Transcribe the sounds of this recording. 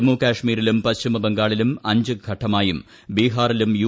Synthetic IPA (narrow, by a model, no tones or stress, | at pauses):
mːuːkaːʂmiːɾilumpɐst͡ɕimɐbeŋɡaːɭilumɐɲd͡ʑɨɡʱɐʈʰːɐmaːjum | biːɦaːrilumju